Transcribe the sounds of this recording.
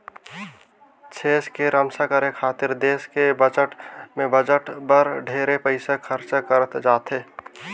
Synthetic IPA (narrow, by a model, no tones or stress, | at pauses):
t͡ʃʰeːskeɾəmsakəɾekʰaːt̪ɪɾd̪eːskebət͡ʃəʈmẽbəd͡ʒəʈbəɾɖʱeːɾepəɪsekʰəɾt͡ʃakəɾət̪d͡ʒaːt̪e